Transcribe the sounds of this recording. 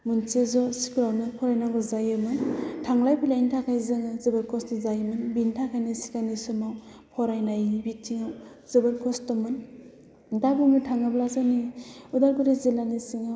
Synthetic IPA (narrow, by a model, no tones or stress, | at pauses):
munsezɔsi̥kɾawnɯpʰɔɾajnaŋɡɯzajɯmɯntʰaŋlajpʰilaintʰakʰajzɯŋɯzɯbalkʰɔstɔzajmɯnbintʰakʰajnɯsi̥kanisɯmaw | pʰɔɾajnajibitʰːiŋaw | z̥ɯbalkʰɔstɔmɯn | dabuŋɯtʰaŋɯblazaniudaɾɡuɾizelanisiŋaw